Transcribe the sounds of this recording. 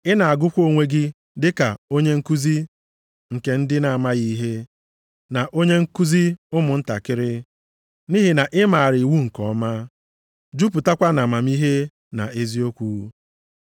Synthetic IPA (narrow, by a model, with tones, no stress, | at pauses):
ɪ˦na˨a˨ɡʊ˦kʷo˦ŋʷe˦ɡɪ˦ | dɪ˦ka˨o˦ɲe˦ŋ̩˦ku˦zi˦ | ŋ̩˨ke˨n̩˦dɪ˦na˨a˨ma˦ɣi˦i˦ɦe˦ | na˨ʔo˦ɲe˦ŋ̩˦ku˦zi˦ʊ˦mʊ˨n̩˦ta̰˨kɪ˦ɾɪ˦ | ni˦ɦi˨na˨ʔɪ˦ma˨a˨ɾɪ˨i˨wu˦ŋ̩˨kɔ˨˦ma˦ | d͡ʒu˦p̬ʊ˨ta˦kʷa˦na˨ma˨m̩˦i˦ɦe˦ | na̰˨e˦zi˦o˦kʷu˨˦